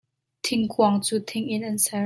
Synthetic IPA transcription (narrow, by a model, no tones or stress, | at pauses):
t̪ʰiŋkwɑŋt͡sut̪ʰiŋinənsa